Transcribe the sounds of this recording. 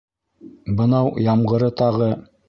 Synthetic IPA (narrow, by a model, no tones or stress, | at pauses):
bɤ̆nɑwjɑmʁɤ̆ɾɤt̪ɑʁɤ